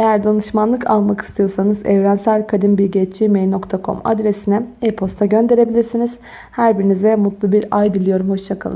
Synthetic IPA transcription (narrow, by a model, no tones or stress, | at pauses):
e̞jæɾd̪anɯʃmanlˠɯkʰalˠmaki̥st̪ʰijo̞ɾsanɯzɛvɾænsælʲkʰad̪inbilʲɟɛt͡ʃt͡ʃimejno̞kt̪ʰakʰo̞̰ma̰d̪ɾesinɛepʰo̞st̪ʰaɟø̞nd̪e̞ɾe̞bilʲiɾsiniz̥ | hæɾbiɾinizɛmut̪lˠubiɾajd̪ilʲˠijo̞ɾumho̞ʃt͡ʃʰakʰalˠɯ̰